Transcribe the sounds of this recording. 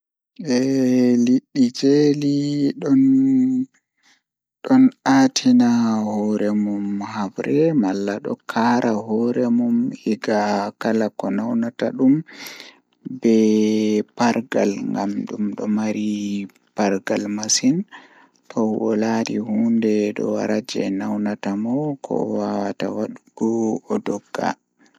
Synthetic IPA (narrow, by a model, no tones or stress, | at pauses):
ɛliɗːid͡ʒeliɗɔn | ɗɔnatʰinahɔɾɛmumhabɾɛmalːaɗɔ̰kʰaːɾaɦɔɾɛmumhiɡakalakɔnawnataɗum | bɛ | paɾɡa̰lŋɡamɗumɗɔmaɾi | paɾɡalmasin | tʰɔɔladihuːndɛɗɔ̰wa̰ɾad͡ʒɛ̰nawnatamɔkʰɔ̰wawata̰waɗuɡ̥ɔɔdɔɡːa̰